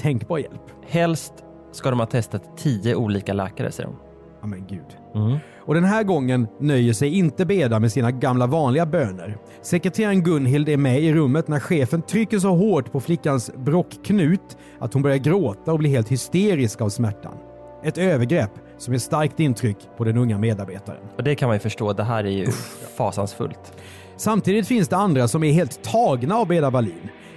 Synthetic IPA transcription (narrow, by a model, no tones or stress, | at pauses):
t̪ʰɛŋkbɑːɾjɛ̰lp | hɛlst̪ | skad̪ɔmhɑːt̪ʰɛst̪at̪ʰːiːəʔuːliːkalɛ̰ːkaɾə̰sɛ̰jə̰ɾɔ̰m | amɛnɡʉ̟ːd̪ | ɔd̪ɛnɦæːɾɡɔŋːənːœjːəʂɛjɪnt̪əbeːd̪amɛsiːnaɡamlavɑːnlɪɡabøːnə̰ɾ | sɛkɾɛt̪ʰeːɾənɡɵnɦɪld̪æɾmɛɪɾɵmːət̪næɾɧeːfənt̪ʰɾʏkːəʂ̬ɔɦoːʈpʰɔflɪkːansbɾɔkʰːnʉ̟ːt̪ | ʔa̰t̪hʊnbœɾjaɾɡɾoːt̪aɔbliːɦeːlt̪hʏst̪eːɾɪskavsmæʈːa̰n | ɛt̪øːvəɾɡɾɛpː | sɔmjɛʂt̪aɾk̚t̪ɪnt̪ʰɾʏkːpʰɔd̪ɛnɵŋːameːd̪aɾbeːt̪a̰ɾə̰nɔd̪ɛkʰanmanjɵfœʂʈoːd̪ɛɦæːɾæjɵ̰fɑ̰ːsa̰nsfɵ̰lt̪ | samt̪ʰiːd̪ɪt̪fɪnsd̪ɛand̪ɾasɔmæɾɦeːlt̪ʰːɑːɡnaːvbeːd̪abaliːn